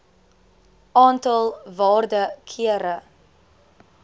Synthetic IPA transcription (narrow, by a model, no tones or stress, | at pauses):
ʔɑːntɑlˠvɑːrdəkʰiəɾə